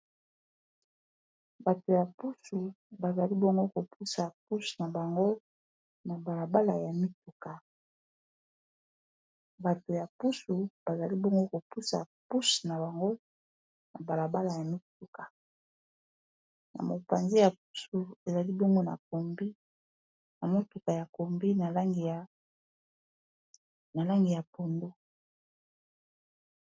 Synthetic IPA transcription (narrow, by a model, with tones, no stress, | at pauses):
ba˨to˨ja˨pu˦su˨ | ba˨za˨li˦bɔ˦ŋɡo˦ko˨pʰu˦sa˨p̚u˦sna˨ba˨ŋɡo˦ | na˨ba˨la˨ba˦la˨ja˨mi˦tu˨ka˨ | ba˨to˨ja˨pu˦su˨b̥a˨za˨li˦bɔ˦ŋɡo˦ko˨pu˦sa̰˨pu˦sna˨ba˨ŋɡo˦ | na˨ba˨la˨ba˦la˨ja˨mi˦t̚u˨kḁ˨ | na̰˨mo̰˨pa̰˨nzi˦ja˨p̚u̥˦su˨e˨za˨li˦bɔ˦ŋɡo˦na̰˨ko˨mbi˦ | na˨mo˦tu˨ka˨ja˨ko˨mbi˦na˨la˦ŋɡi˨a˨ | na˨la˦ŋɡi˨ja˨po˨ndo˦